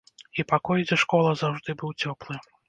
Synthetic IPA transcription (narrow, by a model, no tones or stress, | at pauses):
ipakɔjd͡zʲɛʂkɔlˠɐzawʐd̪ɨbɨwt͡sʲɔplˠɨ